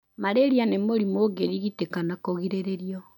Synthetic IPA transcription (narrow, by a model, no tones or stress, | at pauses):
maɾeɾjanemoɾimoɡeɾiɣitekanakɔɣiɾeɾeɾiɔ